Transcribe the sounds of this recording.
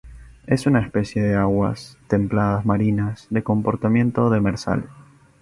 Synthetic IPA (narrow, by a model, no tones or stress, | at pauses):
e̞sunaespe̞sje̞ðeaɣwa̰st̪e̞mplaðazmaɾinasðe̞ko̞mpo̞ɾt̪amje̞nt̪o̞ðemeɾsa̰l